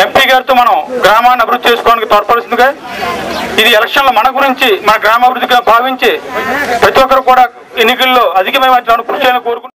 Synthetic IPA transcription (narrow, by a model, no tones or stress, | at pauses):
empiːɡaːɾt̪oːmɐnɐmɡɾaːmaːnːiɐbʱiɾud̪ʱːit͡ʃeːsu̥kɔːanikit̪ɔːɾpɐːlsind̪uke | id̪iɛlɐkʂɐnlo̞ːmɐnɐɡuɾiɲt͡ʃimɐnɐɡɾaːmaːbiɾud̪ːiɡaːbʱaːʋiɲt͡ʃepɾɐt̪iʋɔkːɐɾukuːɽaː | enːikɐlːoːɐd̪ʱikɐmɐjmɐːt͡ʃnaːnukɾuʃɐjlɐko̞ːɾuku